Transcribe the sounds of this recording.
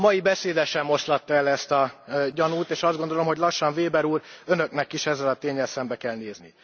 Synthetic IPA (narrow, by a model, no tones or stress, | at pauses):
mɒjibɛseːd̪ɛʃɛmːo̞slɒt̪ːɒɛlɛst̪ɒɟɒnuːt̪eːʃɒzd̪ɡo̞nd̪olo̞mɦoɟlɒʃːɒɱveːbɛɾuːɾø̞nø̞knɛkiʃɛzːɛlɒt̪eːɲːɛlsɛmbɛkɛlneːznḭ